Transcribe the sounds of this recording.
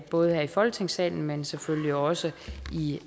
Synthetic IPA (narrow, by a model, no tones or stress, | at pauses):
b̥ɔ̽ːð̞̩ˠhæɐ̰ifɒ̽lt͡sʰe̝ŋsɛ̰ːln̩mensefølliɒ̽səi